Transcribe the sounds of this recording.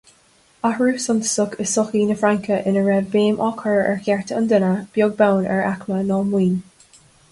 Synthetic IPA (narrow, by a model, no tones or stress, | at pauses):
ahɹuːsɔnt̪ə̥sʊkʰəsʊxiːnəfɹaŋkʰəʔɪnəɹɛvbeːmʔɔkʰəɹɛɹkɛɹt̪ʰəənd̪ɪnəb̥jʊɡ̚bawnɛ̰ɹa̰kmənɔːmwiːn